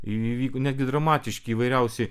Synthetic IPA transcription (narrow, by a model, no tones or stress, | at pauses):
iiʋʲiːkonʲæːd̪ʲɡʲɪd̪ɾɐmɑːt̪ʲɪʃʲkʲɪːʋɐɪɾʲɛʊsʲɛɪ